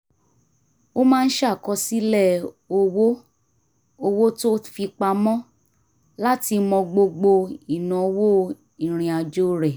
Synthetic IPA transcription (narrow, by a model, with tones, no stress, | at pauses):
o˦mãː˦˧n̩˦ʃkɔ˧si˦lɛ˦˨ | o˧wo˦ | o˧wo˦to˦fi˧k͡pa˧mɔ̃˦ | la˦ti˧mɔ̃˧ɡ͡bo˧ɡ͡bo˧i˨nã˨˧˦wo˦ | i˨ɾ̃ĩ˨˧a˧d͡ʒo˦ɾɛ˨